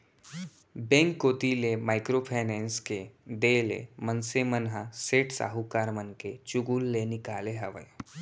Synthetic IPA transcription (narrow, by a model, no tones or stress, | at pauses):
bẽːŋkːoːt̪ilemaːɪkɾopʰaːnɛ̃ːnsked̪elḛmənsemənɦaseːʈsa̰ːɦukaːɾmənket͡ʃuɡuːlːenɪkaːleɦɐʋə̰j